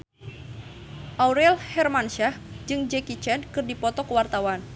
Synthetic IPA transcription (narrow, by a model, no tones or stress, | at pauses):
ʔawɾɛlhɛrmanʃahd͡ʒɨŋd͡ʒɛkit͡ʃɛnkɨrdipɔt̪ɔkəwart̪awan